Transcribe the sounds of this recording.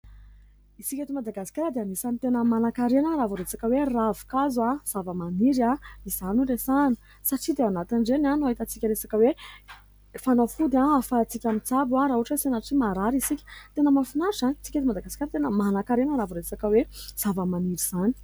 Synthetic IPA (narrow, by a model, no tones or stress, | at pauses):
isikʲet̪imad̪aɡasi̥kʲaɾəd̪eanisamit̪enəmanakaɾenəɾavuɾesakəweravu̥kazaz̥avəmaniɾaizanuresani̥ | saʈ͡ʂid̪eawanat̪inɖ͡ʐenanuaɦit̪at͡sikʲəɾesakəwe | fanofud̪aafat͡sikʲamit͡sabuaɾaɦuʈ͡ʂəsinaʈ͡ʂimaɾaɾisikʲi̥t̪enəmafinasanit͡siket̪umad̪aɡasi̥kʲaɾat̪enəmanakaɾenəɾavuɾesakəwez̥avəmaniɾiz̥ani̥